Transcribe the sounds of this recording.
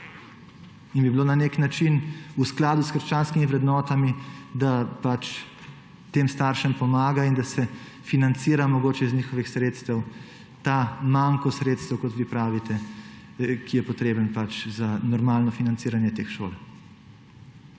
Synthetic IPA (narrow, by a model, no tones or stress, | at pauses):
inbibilonaneknat͡ʃinusklaːd̪uskəɾʃt͡ʃaːnskimiʋɾɛd̪nɔːt̪amid̪apat͡ʃ | t̪eːmst̪aɾʃəmpɔmaːɡaind̪asɛ | finant̪siːɾamɔɡoːt͡ʃɛiznʲiːxɔʋixsɾeːt̪st̪əw | t̪aːmaŋkɔsɾeːt̪st̪əwkɔt̪ʋipɾaːʋit̪ɛ | kijɛpɔt̪ɾeːbənpat͡ʃzanɔɾmaːlnɔfinant̪siːɾanjɛt̪eːxʃo̰ːl